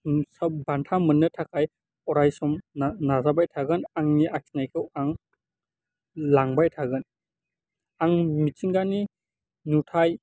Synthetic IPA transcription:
sabantʰamənːɯtʰakʰaj | ɔɾajsɔmnazabajtʰaɡɯnaŋniʔakʰi̥najkʰɯwaŋ | laŋbajtʰaɡɯn | aŋmit͡ʃiŋɡani | nutʰaj

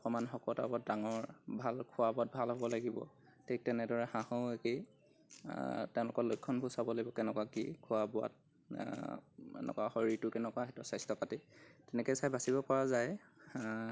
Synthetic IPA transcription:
ɔkɔmanxɔkɔtabat̚daŋɔɹbʱalkʰʊabʊat̚bʱalɦɔbɔlaɡibɔ̰ | tʰek̚tɛnɛdɔɹɛxãhɔʊeke | tɛʊ̃lʊkɔlojkʰːɔnbʱusabɔlaɡjbɔkɛnɛkɔakḭkʰʊabʊa̰t̚ | ɛ̰nɛ̰kɔaxɔɹitʊkɛnɛkɔaɦɛtɔsajstɔkatitɛnɛkɔsajbʱasibɔpɔɹazaj

